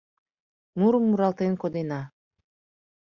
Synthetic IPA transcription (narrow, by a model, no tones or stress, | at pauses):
muɾumːuɾalˠt̪enkod̪ena